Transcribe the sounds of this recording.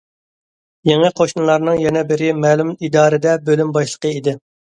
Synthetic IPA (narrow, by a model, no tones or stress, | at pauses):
jeŋɨqʰoʃnɨlˠɑɾnɨŋjɛnɛbɪɾɪmɛːlˠymid̪ɑːɾɨd̪ɛbølymbɑʃlˠə̥qəid̪ɪ